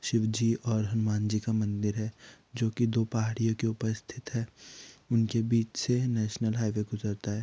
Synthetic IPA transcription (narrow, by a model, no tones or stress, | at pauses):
ʃɪʋd͡ʒiʔɔːɾɦɐnʊmaːnd͡ʒikamɐ̃nd̪ɪɾɦɛː | d͡ʒoːkid̪oːpɐɦaːɽijõkeʊpəst̪ʰɪt̪ɦɛːʊnkebiːt͡ʃsenɛːʃnəlɦaːʋeɡʊzəɾt̪aɦɛː